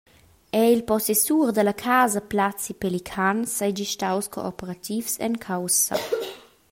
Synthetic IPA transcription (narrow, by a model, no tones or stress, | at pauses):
ɛilpɔsesuːʁd̪əlakʰaːzaplat͡sipɛlikʰansajd͡ʒiʃtawsko̰ɔpəʁat̪ʰifsɛ̰nkʰawsa̰